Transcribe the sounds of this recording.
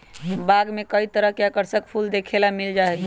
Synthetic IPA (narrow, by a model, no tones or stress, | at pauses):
baɡmekəit̪əɾəɦkjakəɾsək̚pʰuld̪ekʰelamild͡ʒaɦɛ